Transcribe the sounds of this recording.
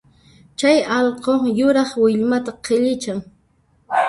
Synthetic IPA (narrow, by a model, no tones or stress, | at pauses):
t͡ʃajɑʎqojʊɾɑχwɪʎmat̪aqʰeʎɪt͡ʃaŋ